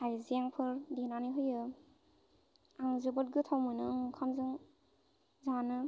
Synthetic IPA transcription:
ajzijaŋpʰɯɾdinanɯɦɯjɯ | aŋzɯbɔt̚ɡɯtʰawmɯnɯɯŋkʰamzɯŋ | zanɯ

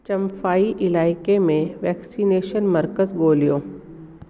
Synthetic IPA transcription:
t͡ʃɐ̃mfaːiʔɪlaːɪkemẽʋɛːksineːʃənmɐɾkəzɡoːlijoː

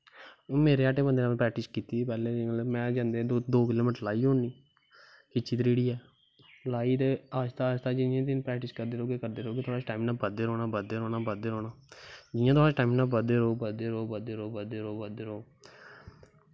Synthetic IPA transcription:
meːɾeːaːʈeːbənd̪eːnapɾɛːk̚ʈɪskiːt̪iːpɛːlelmɛ̃ːd͡ʒãːnd̪eːd̪oːkɪloːmɪːʈlaːiːɦoːɳniː | kɪt͡ʃʰːiːt̪ɾiːɽiːɛː | laːiːt̪eːaːst̪aːst̪aːd͡ʒɪãːt̪ɪnpɾɛːk̚ʈɪskəɾd̪eːɾoːkeːkəɾd̪eːɾoːkɪt̪ʰoːɽaːt͡ʃʈaːimnãːbəd̪eːɾoːnaːbəd̪eːɾoːnaːbəd̪eːɾoːnaːd͡ʒɪjãːt̪ʰoːaːʈaːimnãːbəd̪eːɾoːbəd̪eːɾoːbəd̪eːɾoːbəd̪eːɾoːbəd̪eːɾoː

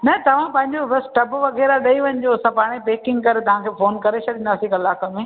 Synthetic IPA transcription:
nɐt̪ɐʋ̤ãpɐ̃ɦɪ̃ɲd͡ʑoɾɐsʈɐbʋɐɣeːɾaɗɐiʋɐɲɪd͡ʑosãpaːɽ̃epeːkɪ̃ŋɡ̚kɐɾet̪ɐʋ̤ãkʰeːfoːnkɐɾet͡ɕʰɐɗɪ̃nd̪aːsikɐlaːkəmẽː

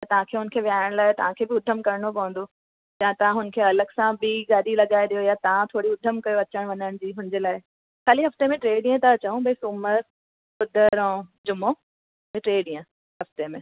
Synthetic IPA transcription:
jɐt̪ɐʋ̤ãkʰeːɦʊnə̆kʰeʋijaːɪɽ̃laːɪt̪ɐʋ̤ãkʰeːbɪʊd̪ʱəmkɐɾɽ̃opɐɦə̃nd̪o | jãːt̪ɐʋãɦʊnə̆kʰeɐləɡsãbiɡaːɗilɐɠaːeɗ̪ijojat̪ɐʋãt̪ʰoːɽiʊd̪ʱəmkɐjoɐt͡ɕəɽ̃ʋɐɲəɽ̃d͡ʑiːɦʊnɪ̃ɲd͡ʑeːlaːɪ | kaːliɦɐft̪emẽʈɾeːɗĩjə̃t̪ɐɐt͡ɕɐũbʱesuːməɾ | ʊd̪ʱəɾɔ̃d͡ʑʊmo | beʈɾeːɗĩːə̃ | ɦɐft̪emẽ

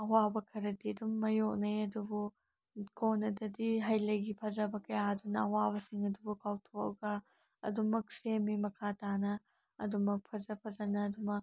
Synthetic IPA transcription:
ɐwabɐkʰɐɾɐdiɐdumːɐjok̚nɐjɐdubu | konɐdɐdiɦɐjlɐjɡipʰɐzɐbɐkɐjaɐdunɐɐwaβɐsiŋɐdubukawtʰokɐ̰ɡɐ | ɐ̰dumɐk̚semimɐkʰatanɐ | ɐdumɐk̚pʰɐzɐpʰɐzɐnɐːdumɐk̚

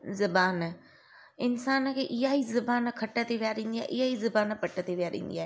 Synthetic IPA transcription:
zɐbaːn | ɪnsaːnə̆kʰeːʔɪɦaːɦizɐbaːnkʰɐʈə̆t̪ʰeʋijaɾĩːn̆d̪iaːɦḛʔɪɦaːɦizɐbaːnpɐʈət̪ʰeʋijaɾḭ̃ːnd̪iaːɦe

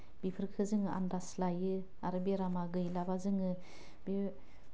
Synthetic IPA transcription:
bipʰɯɾkʰɯzɯŋɯʔa̰ndaslajɯ | aɾɯbieɾamaɡɯjlabazɯŋɯ | be

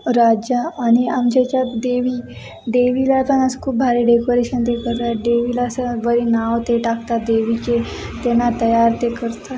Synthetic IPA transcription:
ɾad͡ʒaːñiamt͡ɕet͡ɕat̪d̪eʋiː | ɖ̪eʋilat̪ənaskʰuːp̚bʱaɾeɖekoɾeɕənt̪ekəɾt̪aɖeʋilasəʋəɾinaʋt̪eʈakt̪ad̪eʋit͡ɕet̪enːat̪əjaɾt̪ekəɾt̪a

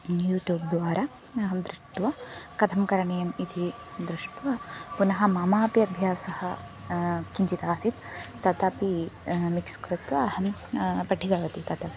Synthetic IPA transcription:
juːʈjuːb̚d̪ʋaːɾa | ɐɦɐmd̪ɾuʂʈʋɐkɐt̪ʰɐmkɐɾɐɳijɐmid̪ʰʱi | d̪ɾuʂʈʋɐpunɐɦɐ̆maːmaːpjɐbʱjaːsɐhɐ | kiɲt͡ʃit̪aːsit̪t̪ːɐt̪ɐpimikskɾut̪ʋɐːhɐmpɐʈʰːiɡaːʋɐt̪it̪ɐt̪ɐpi

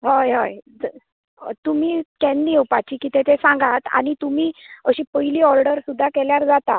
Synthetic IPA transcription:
ɦəjɦəjd͡z̰ | t̪um̤iːkɛniwpat͡ɕiːkit̪ʰet̪esãŋɡat̪a̰ñit̪um̤iːəɕiːpəjliːɔɾɖəɾsud̪ʱːakeljaɾd͡zat̪a

